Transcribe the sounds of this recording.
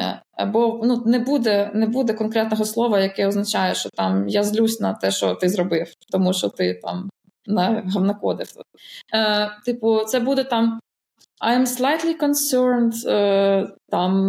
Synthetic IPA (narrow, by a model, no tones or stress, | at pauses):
ɐbɔnunɛbud̪ɛnɛbud̪ɛkɔnkɾɛt̪nɔɦɔslˠɔʋɐjɐkɛɔznɐt͡ʃajɛʃt͡ʃɔt̪ɑmjazlʲusʲnɐt̪ɛʃt͡ʃɔ̰t̪ɪzɾɔbɪwt̪ɔmuʃɔt̪ɪt̪ɑ̰m | nɐɦɐwnɐkɔd̪ɪft̪ | t̪ɪpʊt̪sɛbud̪ɛt̪ɑm | ɐjɛmslˠajt̪lʲˠikɔnsɛɾnd̪ | t̪ɑm